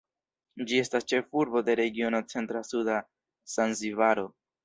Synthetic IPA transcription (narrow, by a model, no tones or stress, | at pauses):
d͡ʒie̞stast͡ʃe̞fuɾbo̞de̞ɾe̞ɡio̞not͡se̞ntɾasuda | sanzivaɾo̞